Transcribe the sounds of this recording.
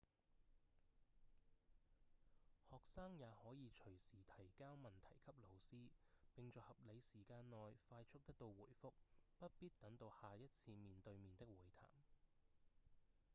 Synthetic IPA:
hɔː˨k̚saː˥ŋjaː˨˧hɔː˨˥jiː˨˧t͡ʃʰɵ˨˩ɥsiː˨˩t̪ʰɐ˨˩jkaː˥wmɐ˨nt̪ʰɐ˨˩jkʰɐ˥p̚lo˨˩wsiː˥pɪ˨ŋt͡sɔː˨˧hɐ˨p̚le˨˧jsiː˨˩kaː˧nːɔː˨jfaː˧jt͡ʃʰʊ˥k̚t̪ɐ˥k̚t̪o˧wwuː˨˩jfʊ˥k̚pɐ˥t̚piː˥t̚t̪ɐ˨˥ŋt̪o˧whaː˨jɐ˥t̚t͡sʰiː˧miː˨nt̪ɵ˧ɥmiː˨nt̪ɪ˥k̚wuː˨˩jt̪ʰa̰ː˨˩m

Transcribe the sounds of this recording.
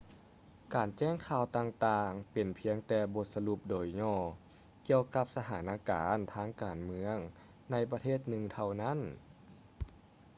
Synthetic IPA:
kaː˨˩nt͡ɕɛː˥˩ŋkʰaː˧˩wt̪aː˧ŋt̪aː˧ŋpe˨˩npʰi˧əŋt̪ɛː˧bo˧˦t̪̚sa˧lu˧˦p̚doː˨˩jɲɔː˧˩ | ki˧əwka˧˥p̚sa˧hʰaː˩˦nʔaː˧kaː˨˦nt̪ʰaː˧˥˩ŋkaː˨˩nmɯ˧˥əŋ | na˧˩jpa˧eː˥˩t̪̚nɯ˧ŋt̪ʰa˧wna˥˨n

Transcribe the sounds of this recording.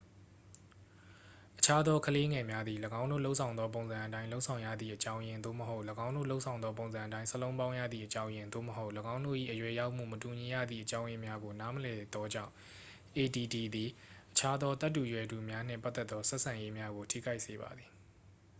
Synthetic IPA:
ʔət͡ɕʰa˦d̪ɔ˦kʰəle˦ŋɛ˨mja˦d̪ði˨ləɡã˦ʊ̃ndo̰˦˨lo˦ʊʔsʰã˨ʊ̃nd̪ɔ˦p̬õ˨ʊ̃nzã˨ʔətã˦ɪ̃lo˦ʔsʰã˨ʊ̃jä̰˦˨d̪ðḭ˦˨ʔət͡ɕã˦ʊ̃jɪ̃˦nd̪o̰˦˨məɦo˦ʊʔləɡã˦ʊ̃ndo̰˦˨lo˦ʊʔsʰã˨ʊ̃nd̪ðɔ˦p̬õ˨ʊ̃zã˨ʔətã˦ɪ̃səlõ˦ʊ̃bã˦ʊ̃jä̰˦˨d̪ðḭ˦˨ʔət͡ɕã˦ʊ̃jɪ̃˨nd̪o̰˦˨məɦo˦ʊʔləɡã˦ʊ̃ndo̰˦˨ʔḭ˦˨ʔəjwɛ˨ja˦ʊʔm̥ṵ˦˨mətu˨ɲi˨ja̰˦˨d̪ðḭ˦˨ʔət͡ɕã˦ʊ̃jɪ̃˦mja˦ɡo˨na˦məlɛ˨d̪ɔ˦d͡ʑã̰˦˨ʊ̃ | ʔe˨di˨di˨d̪i˨ʔət͡ɕʰa˦d̪ɔ˦t̪a˦t̬ːu˨jwɛ˨du˨mja˦n̥ɪ̰̃˦˨pa˦t̪ːɛ˦t̪ːɔ˦sɛ˦ʔsʰã˨je˦mja˦ɡo˨tʰḭ˦˨ɡa˦ɪʔse˨ba̰˨d̪ði˨

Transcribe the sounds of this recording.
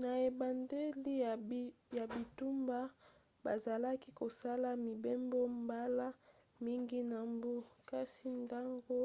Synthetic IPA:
na˨e˨ba˨nde˦li˦˨ja˨bi˨tu˦mba˦ | ba˨za˨la˦ki˦ko˨sa˦la˦mi˨be˦mbo˦mba˦la˦ | mi˦ŋɡi˦na˨mbu˦ka˦si˦nda˦ŋɡo˦

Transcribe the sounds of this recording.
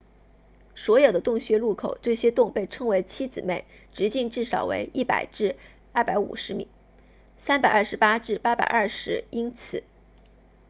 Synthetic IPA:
swɔ˧˥jo˨˩ʊd̪ə˦t̪ʊ˥˩ŋɕɥɛ˧˥lu˥˩kʰo˨˩ʊʈ͡ʂɤ˥˩ɕjɛ˥t̪ʊ˥˧ŋpe˥˩ɪʈ͡ʂʰɤ˥ŋwe˧˥ɪt͡ɕʰi˥t͡sɹ̩˨˩me˥˩ɪ | ʈ͡ʂɻ̩˧˥t͡ɕi˥˧ŋʈ͡ʂɻ̩˥˩ʂɑ˨˩ʊwḛ˧˥ɪʔi˥˩pa̰˨˩ɪʈ͡ʂɻ̩˥˧ | ɐ˥˩pa˧˥ɪṵ˨˩ʂɻ̩˧˥mḭ˨˩˦ŋ | sa˥npa˨˩ɪɐ˞˥˩ʂɻ̩˧˥pa˥ʈ͡ʂɻ̩˥˩pa˥pa̰˨˩ɪʔɐ˥˩ʂɻ̩˧˥i˥nt͡sʰɹ̩˨˩˦

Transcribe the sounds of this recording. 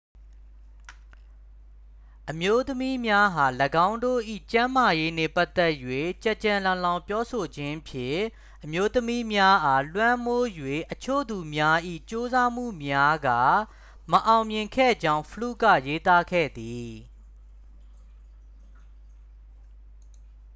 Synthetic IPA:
ʔəmjo˦t̪əmi˦mja˦ɦa˨ləɡã˦ʊ̃ndo̰˦˨ʔḭ˦˨t͡ɕã˦ma˨je˦nɛ̰˦˨pa˦t̪ɛ˦ʔjwe˦˨t͡ɕɛ˦˨ʔt͡ɕã˨lã˨lã˨ʊ̃mpjɔ˦so˨d͡ʑɪ̃˦ʔpʰjɪ̰̃˦˨ | ʔəmjo˦t̪əmi˦mja˦ʔa˨lwã˦mo˦jwe˨ʔət͡ɕʰo̰˦˨d̪u˨mja˦ʔḭ˦˨t͡ɕo˦za˦m̥ṵ˦˨mja˦ɡa̰˦˨ | mə˨ʔã˨ʊ̃mjɪ̃˨ŋkʰɛ̰˦˨d͡ʑã˦ʊ̃pʰəlṵ˦˨ɡä̰˦˨je˦t̪a˦kʰɛ̰˦˨d̪i˨

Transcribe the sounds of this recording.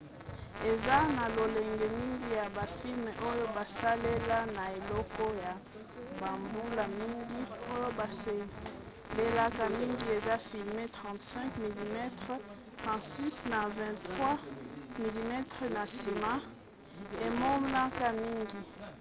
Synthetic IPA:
e˨za˦na˨lo˨lɛ˨ŋɡɛ˨mi˦ŋɡi˦ja˨ba˨fi˦lm˨ʔo˦jo˦ba˨sa˦le˦la˦na˨e˨lɔ˦kɔ˦ja˨ | ba˨mbu˦la˨mi˦ŋɡi˦o˦jo˦ba˨se˦ | le˦la˦ka˨mi˦ŋɡi˦e˨za˦fi˨lme˦tχɑ̃˨tsɛ̃˦ŋkmi˨li˨mɛ˦tʁ | tʁɑ̃˨tsi˦sna˨vɛ̃˨tχwa˦mi˨li˨mɛ˦tʁna˨si˨ma˦ | e˨mo˦m˦la˦ka˦mi˦ŋɡi˨

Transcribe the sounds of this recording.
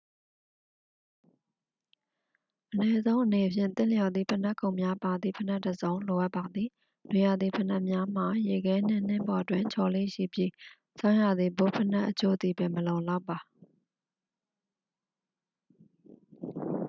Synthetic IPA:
ʔənɛ˦zõ˦ʊ̃ʔəne˨pʰjɪ̰̃˦˨nt̪ɪ̃˦˨ljɔ˨d̪ðḭ˨pʰə˨na˦ʔkʰːõ˨ʊ̃mja˦pa˨d̪ðḭ˦˨pʰə˨na˦ʔtːə˨zõ˦ʊ̃nlo˨ʔa˦ʔpːa˨d̪ði˨ | nwe˨ja˨d̪ði˨pʰə˨na˦ʔmja˦m̥a˨je˨ɡɛ˦n̥ɪ̰̃˦˨n̥ɪ̃˦˨mbɔ˨twɪ̃˨ɲt͡ɕʰɔ˨lḛ˦˨ʃḭ˦˨bji˦˨ | sã˦ʊ̃ja˨d̪ði˨bo˦˨pʰə˦na˦ʔːət͡ɕʰo̰˦d̪i˨bɛ˨məlõ˨ʊ̃la˦ʊpːa˨

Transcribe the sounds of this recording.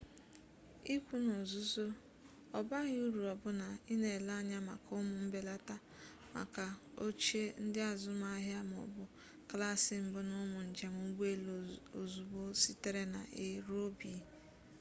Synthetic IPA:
i˦kʷu˦no˨zu˦zo˦ | ɔ˨ba˦ɣɪ˦u˦ɾu˨ɔ˨bʊ˦na˨i˦ne˨la˦ɲa˦ma̰˨kʊ˦mʊ˨m̩˦be˦la˦ta˦ | ma̰˨ka˨o˦t͡ʃe˦n̩˦dɪ˦a˨zʊ˦m˦a˦ɦja˦mʊ̰˨bʊ˨ | kla˦˨sɪ˨m̩˦bʊ˦nʊ˦mʊ˨n̩˨d͡ʒe˨mʊ˨˦ɡ͡bu˦e˦lo˨zu˨bo˦si˦te˦ɾe˦na̰˨ʔɪ˦ɾo˦bi˨

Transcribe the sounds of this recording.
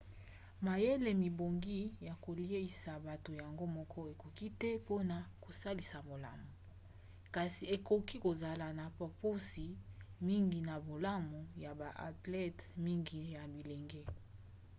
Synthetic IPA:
ma˨je˦le˨mi˨bo˨ŋɡi˦ja˨ko˨li˦e˦i˨sa˨ba˨to˨ja˨ŋɡo˦mɔ˦kʰɔ˦e˨ko˨ki˦tɛ˦po˦na˨ko˨sa˦li˨sa˨bo˨la̰˦mo˨ | ka˨si˨e˨ko˨ki˦ko˨za˨la˨na˨pa˨po˦si˨mi˦ŋɡi˨na˨bo˨la˦mo˨ja˨ba˨ʔa̰˨tlɛ˦tmi˦ŋɡi˨ja˨bi˨le˨ŋɡe˦

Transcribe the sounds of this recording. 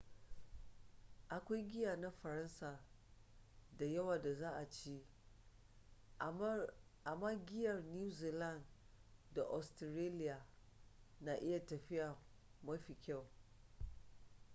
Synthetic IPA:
ʔa˨kʷa˦jɡʲɪ˦jaː˨na˦ɸɐ˨ɾɐ˦nsaː˨ | da˨jɐ˦waː˨da˨zaː˦ʔa˨t͡ʃi˦ | ʔa˨maː˦ɡʲɪ˦jɐ˨rnu˦zi˨la˦˨n | da˨ʔɔ˨stɪ˨ɾe˦lɪ˦jaː˨ | na˨ʔɪ˦ja˨tɐ˨ɸɪ˦ja˨ | ma˦ɸi˨kʲa˦˨w

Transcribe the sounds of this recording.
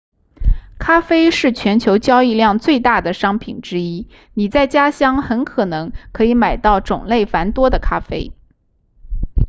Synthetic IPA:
kʰa˥fe˥ɪʂɻ̩˥˩t͡ɕʰɥɛ˧˥nt͡ɕʰjo˧˥ʊt͡ɕjɑ˥ʊi˥˧ljɑ˥˧ŋt͡swe˥˧ɪt̪a˥˩d̪ə˩ʂɑ˥ŋpʰi˨˩nʈ͡ʂɻ̩˥i˥ | ni˨˩t͡sa˥˩ɪt͡ɕja˥ɕjɑ˥ŋxə˧˥nkʰɤ˨˩nɤ˧˥ŋkʰɤ˧˥i˧˥ma˨˩ɪt̪ɑ˥˩ʊʈ͡ʂʊ̰˨˩ŋle˥˩ɪfa˧˥nt̪wɔ˥d̪ə˨kʰa˥fe˥ɪ

